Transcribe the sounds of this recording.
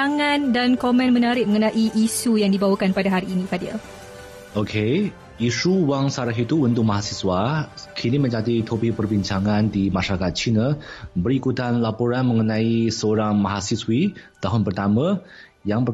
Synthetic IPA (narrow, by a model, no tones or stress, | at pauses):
aŋãndankɔmɛ̃nmənaɾɪʔ̚məŋənãʔiʔisujaŋdibawakanpadaɦaɾiːnikadiə̰ | okʰe | isuwaŋsaɾaɦit̪ubənt̪ʊk̚ʔ̚maɦasiswakʰinimə̃ɲd͡ʒat̪it̪ʰopiʔ̚pərbiɲt͡ʃaŋãndimaʃaɾakat̪̚t͡ʃinəbəɾikut̪anlapoɾanməŋənãisəoɾaŋmaɦasiswit̪aɦʊnpərt̪amã | jaŋpə